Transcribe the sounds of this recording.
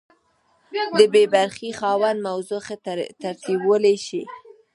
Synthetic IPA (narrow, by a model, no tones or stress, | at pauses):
d̪əbebaɾxixɑwand̪mawzoxet̪aɾt̪ibwəleʃi